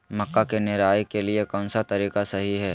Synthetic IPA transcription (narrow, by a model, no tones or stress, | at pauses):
mɐkːakenɪɾaːjkeliekɔ̃ːnsat̪ɐɾiːkasɐɦiɦɛː